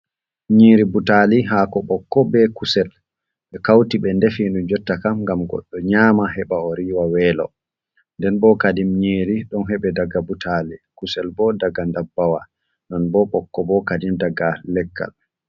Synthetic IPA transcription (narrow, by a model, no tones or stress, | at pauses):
ɲiːɾibutaliɦaːkɔɓɔkːɔbɛkusɛl | ɓɛkawtiɓɛndefinud͡ʒɔtːakamŋɡamɡɔ̰ɗːɔɲaːmaɦɛɓaɔɾiːwawɛːlɔ̰ | ndɛnbɔkadimɲeːɾiɗɔnɦɛɓɛdaɡabutʰalikusɛlbɔdaɡandabːawa | nɔnbɔɓɔkːɔbɔkadimdaɡalɛkːa̰l